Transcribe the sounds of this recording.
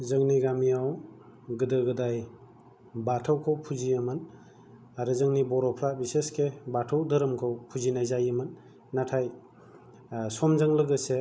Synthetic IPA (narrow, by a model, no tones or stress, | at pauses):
zɯŋniɡamiaw | ɡɯdɯɡɯdaj | batʰawkʰowpʰuzijɯmɯn | aɾɯzɯŋnibɔɾɔpʰɾabiseskebatʰawdəɾɯmkʰawpʰuzinajzajɯmɯnː | atʰaj | sɔmzaŋlɯɡɯse